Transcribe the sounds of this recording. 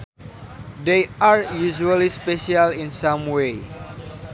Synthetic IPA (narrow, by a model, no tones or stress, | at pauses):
dejaɹjuʒualispeʃialĩnsãmwe